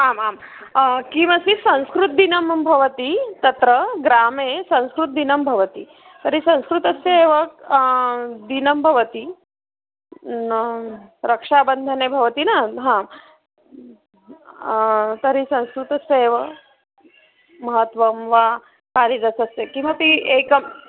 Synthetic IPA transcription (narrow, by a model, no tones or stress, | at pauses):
aːmaːm | kimɐsisɐ̃w̃skɾut̪̚d̪inɐmbʱɐʋət̪it̪ɐt̪ɾəɡɾamesɐ̃w̃skɾut̪̚d̪inɐmbʱɐʋət̪i | t̪əɾisɐ̃w̃skɾut̪ɐseeʋək̚ | d̪inɐmbʱɐʋət̪i | ɾɐkʂabənd̪ʱənebʱɐʋɐt̪inaɦã | t̪ɐɾisɐ̃w̃skɾut̪ɐseeʋɐ | mɐɦət̪ʋɐmʋa | kaːlid̪ɐsɐsekĩʋʋapiekɐm